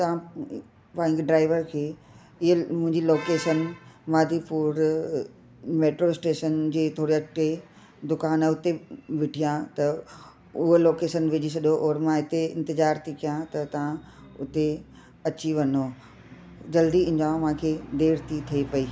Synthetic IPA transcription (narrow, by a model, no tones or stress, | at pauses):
t̪ɐʋã | pãːɪ̃ɲɡɪɖɾaːɪʋəɾkʰeː | ɪɦemʊ̃ɦɪ̃ɲd͡ʑiloːkeːʃənmaːd̪ʱipuːɾ | meːʈɾoɪsʈeːʃənd͡ʑeːt̪ʰoːɽiɐkʈe | d̪ʊkaːnʊt̪eʋɪʈʰijãt̪ɐ | ʊɦoloːkeːʃənʋɪd͡ʑis̬ɐɠjoʔɔːɾmãɦɪt̪eɪ̰̃nt̪ɪzaːɾt̪ʰikijãt̪ɐt̪ɐʋ̤ã | ʊt̪e | ɐt͡ɕiʋɐno | d͡ʑɐld̪iɪ̃ɲd͡ʑãːmãːkʰeːd̪eːɾt̪ʰit̪ʰɐipɐiː